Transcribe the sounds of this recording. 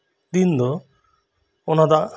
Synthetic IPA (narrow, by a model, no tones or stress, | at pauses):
d̪ind̪ɔ | ɔnad̪a